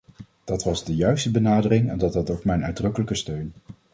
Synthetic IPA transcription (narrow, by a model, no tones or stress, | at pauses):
d̥ɑtʋɑzdəjœɥstəbənaːdərɪŋɛndɑtɑtowkmɛjnœɥdrɵkələkəstøɥn